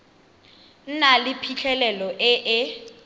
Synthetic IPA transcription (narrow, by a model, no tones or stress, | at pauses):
n̩nalɪpʰit͡ɬʰɛlɛlɔʔɪʔɪ